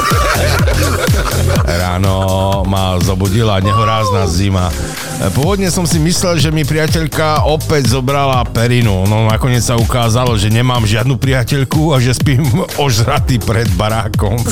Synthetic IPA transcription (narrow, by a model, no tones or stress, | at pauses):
ɾa̰ːnɔmazɔbuɟilaɲɛɦɔɾaːznazima | pʊɔʋɔd̪ɲɛsɔmsimislɛlʒɛmipɾijacɛʎkaɔpɛɟzɔbɾalapɛɾinuɔnɔnakɔɲɪɛt͡ssaukaːzalʒɛɲɛmaːmʒɪad̪nupɾijacɛʎkuaʒɛspiːmɔʒɾat̪ipɾɛd̪baɾaːkɔm